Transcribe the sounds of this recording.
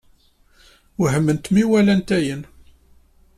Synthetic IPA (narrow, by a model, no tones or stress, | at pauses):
həmːənt̪miwælænt̪æjən